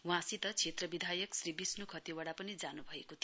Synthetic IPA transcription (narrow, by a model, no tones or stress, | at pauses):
wɦãsit̪ʌt͡sʰet̪rʌbid̪ʱajʌksribisnukʰʌt̪iwaɽapʌnid͡zanubʱʌekot̪ʰ